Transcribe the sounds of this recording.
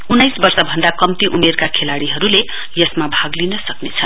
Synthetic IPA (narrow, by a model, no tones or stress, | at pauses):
unːajsbʌrsʌbʱʌnd̪akʌmt̪iʔumerkakʰelaɽiɦʌɾule | jʌsmabʱaɡlinʌsʌknet͡sʰʌ